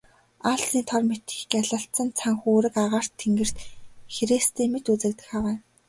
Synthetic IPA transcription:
aɬsiːt̪ʰɔrmet̪i̥xkaɮə̆ɬt̪t͡sə̆nt͡sʰaŋxuːɾɘ̆kaʁaːr̥t̪ʰːeŋɡɘ̆r̥t̪xeɾiːst̪ʰiːmet̪ut͡sɘ̆kt̪ɘ̆xawæː

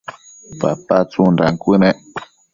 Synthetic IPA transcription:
pa̰pat͡sunɾaŋkʷɨnẽʔ

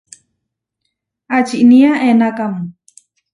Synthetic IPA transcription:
at͡ʃiʔniaʔenakam

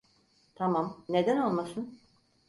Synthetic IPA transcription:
t̪ʰamamne̞d̪æno̞lˠmasɯn

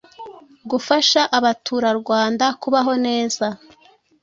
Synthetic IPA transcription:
ɡufaʃaʔaβatʰuːɾaɾɡwaːndakuβaɦo̞ne̞ːza

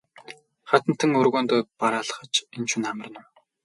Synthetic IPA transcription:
χat̪ə̆n̥t̪ʰːɘ̆ŋɵrɣoːnt̪ɔːpaɾaːɮχə̆t͡ɕent͡ɕunamə̆rnə̆m

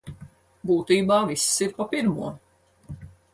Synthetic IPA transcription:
buːt̪iːbaːvisːiɾpapiɾmuɔ

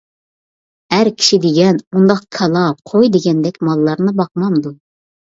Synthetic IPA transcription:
hæɾkʲʰi̥ʃid̪ɪɡʲɛnund̪ɑq̚kʰɑlˠɑqʰojd̪eɡʲɛnd̪ɛkʲmɑlˠːɑɾnɨbɑq̚mɑmd̪u

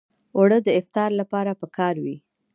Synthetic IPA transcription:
oɽəd̪əɪft̪ɑɾlapɑɾapəkɑɾwi

